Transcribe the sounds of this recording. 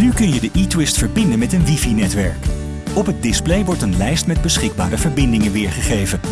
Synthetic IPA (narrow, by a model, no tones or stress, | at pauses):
nykɵnjədəʔitwɪstfəɹbɪndənmɛtənʋifinɛtʋɛɹk | ɔpɦət̚dɪsplejʋɔɹtənlɛjstmɛd̚bəsχɪɡ̚ba̰ːɾəvəɹbɪndɪŋənʋɪːɹχəχejvən